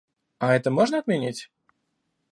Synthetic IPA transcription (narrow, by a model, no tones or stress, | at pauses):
ɐɛt̪əmoʐnəɐt̪mʲɪnʲitʲ